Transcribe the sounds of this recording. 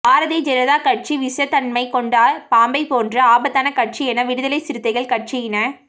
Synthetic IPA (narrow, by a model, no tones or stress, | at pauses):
aːɾɐðid͡ʒɛɾɐðaːkɐʈ̚t͡ʃiʋɪsɐt̪ɐnmɐɪkɔɳɖaːɾpaːmbɐɪpoːndrɐaːbɐt̪ːaːnɐkɐʈ̚t͡ʃiɛnɐʋɪɽɯðɐlɐɪsɪɾɯt̪ːɐɪɣɐɭkɐʈ̚t͡ʃiɪnɐ